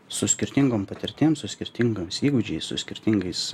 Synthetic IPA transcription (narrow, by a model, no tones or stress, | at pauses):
sʊsʲkʲɪɾʲt̪ʲɪŋɡoːmpɐt̪ʲɪɾʲt̪ʲeːmsʊsʲkʲɪɾʲt̪ʲɪŋɡoːmsiːɡʊd͡ʒʲɛɪssʊ̰sʲkʲɪɾʲt̪ʲɪŋɡɐɪs